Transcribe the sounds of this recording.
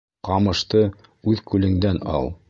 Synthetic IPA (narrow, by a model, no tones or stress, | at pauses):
qɑmɤ̆ʃt̪ɤ | ʉðkʉlɘ̆ŋd̪ænɑ̰lˠ